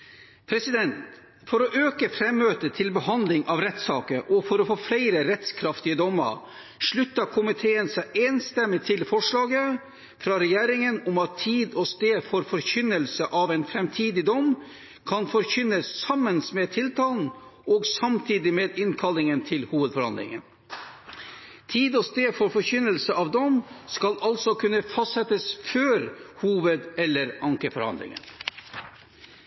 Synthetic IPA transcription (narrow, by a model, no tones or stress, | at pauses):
pʰɾɛsɪd̪ɛnt̪ | fɔɾɔʔøːkəfɾɛmːøːt̪ət̪ʰɪlbəhɑnd̪lɪŋʔɑːʋɾɛt̪sɑ̰ːkəɾʔɔfɔɾɔfoːflæɪɾəɾɛt̪skʰɾɑft̪ɪəd̪ɔmːə̰ɾ | ʂɭʉt̪ːəkʰʊmɪt̪ʰeːənsæʔeːnst̪ɛmːɪt̪ʰɪlfɔʂɭɑːɡə | fɾɑɾɛjæːɾɪŋənʊmɑt̪ʰːiːd̪ɔst̪eːd̪fɔɾfɔɾçʏnːəlsəʔɑʋɛɪnfɾɛmt̪ʰiːd̪ɪd̪ɔm | kʰɑnfɔɾçʏnəssɑmənsmeːt̪ʰɪlt̪ʰɑːln̩oːɡsɑmt̪ʰiːd̪ɪmeːd̪ɪnkʰɑlːɪŋənt̪ʰɪlhuːʋəd̪fɔɾhɑ̰nd̪lɪ̰ŋə̰n | t̪ʰiːd̪ɔst̪eːfɔɾfɔɾçʏnəlsəɑːʋd̪ɔmskɑlʔɑlsɔkʰʉnːəfɑst̪sɛt̪əsføːɾhuːʋəd̪ɛlːəɾɑŋkəfɔɾhɑ̰nd̪lɪ̰ŋə̰n